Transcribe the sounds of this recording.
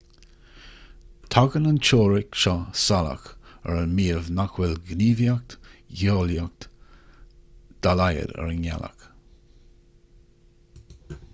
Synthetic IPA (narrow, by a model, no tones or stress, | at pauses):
t̪ʰaɡənənt͡ʃoːɹɪkʃɔsala̰kəɹənmiːəvnakwɪlɡniːvjak̚tjoːljak̚t | d̪̥alajə̰dɛ̰ɹənɛ̰la̰k